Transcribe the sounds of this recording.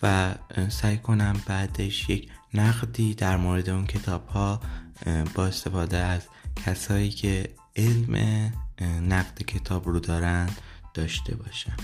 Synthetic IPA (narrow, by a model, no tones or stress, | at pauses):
væsæjkʰo̞næmbæːd̪e̞ʃje̞cʰnæɣd̪iːd̪æɾmoːɾe̞d̪e̞uncʰe̞t̪ʰɒːb̥hɒː | b̥ɒːe̞st̪e̞fɒːd̪eæz̥cʰæsɒːiːcʰe̞ | elmʔḛ | næɣd̪̥ecʰe̞t̪ʰɒːbɾuːd̪ɒːɾænd̪̥d̪̥ɒːʃt̪e̞̰bɒːʃæn̥